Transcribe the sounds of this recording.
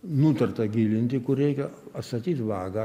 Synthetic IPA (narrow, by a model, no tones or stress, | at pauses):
nut̪ɐrt̪ɐɡʲiːlʲɪnʲt̪ʲɪkʊrɾʲɛɪkʲɛɐt̪st̪ɐt̪ʲiːt̪ʋɑːɡɐ